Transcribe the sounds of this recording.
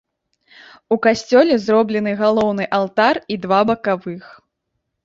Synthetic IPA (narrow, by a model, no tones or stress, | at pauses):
ukasʲt͡sʲɔlʲɛzrɔblʲɛnɨɣalˠɔwn̪ɨʔalˠt̪arid̪vabɐkavɨx